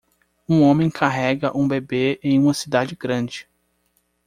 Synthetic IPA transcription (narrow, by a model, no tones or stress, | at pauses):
ũõmẽj̃kʰaɦɛɡɐʔũbebeẽj̃ũmɐsid̪ad͡ʒɪɡɾɐ̃d͡ʒɪ